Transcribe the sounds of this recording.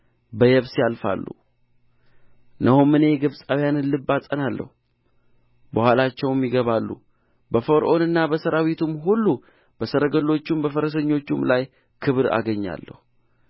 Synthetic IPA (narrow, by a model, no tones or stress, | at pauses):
bəjɛβsjalfa̰lːṵ | nəhumːɨne̞ɡɨβsʼawjanɨnlɨbːasʼənalːə̰hu | bəhʷwalat͡ʃːɛwmjiɡəβalːṵ | bəfoɾʔo̞nɨnːabəsəɾawit̪ʰumɦulːu | b̥əsəɾəɡəlːo̞t͡ʃːumbəfəɾəs̬əɲːo̞t͡ʃːumlaj | kʰɨβɾa̰ɡəɲːa̰lːə̰hu